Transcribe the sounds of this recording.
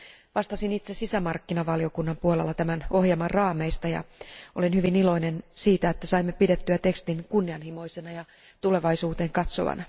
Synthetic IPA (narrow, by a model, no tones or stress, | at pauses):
ʋɑst̪ɑsinit̪sesisæmɑrkːinɑʋɑlio̞kunːɑmpuolelːɑt̪æmæno̞hjemɑrrɑːme̞ist̪ɑjɑ̰o̞lenhyʋinilo̞inensiːt̪æet̪ːæsɑimːepidet̪ːyæt̪e̞kst̪inkunːiɑnhimo̞jsenɑjɑ | t̪ule̞ʋɑisuːt̪eːŋkɑt̪so̞̰ʋɑ̰nɑ̰